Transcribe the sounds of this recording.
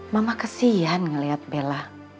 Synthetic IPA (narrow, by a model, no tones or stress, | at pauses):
mamakasianŋəliɦat̪̚bela